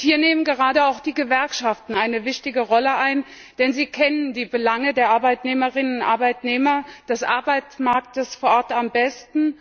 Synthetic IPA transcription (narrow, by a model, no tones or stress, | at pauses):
hiːɐneːmənɡəʁaːdəaʊxd̥iːɡəvɛɐkʃaftn̩aɪnəvɪçtɪɡəʁɔləʔaɪn | d̥ɛnziːkʰɛnəndiːbəlaŋədeːɐʔaɐbaɪtneːməʁɪnənʊntʔa̰ɐbaɪtneːmɐd̥ɛsʔaɐbaɪt͡smaɐk̚təsfoːɐʔɔɐtambɛstn̩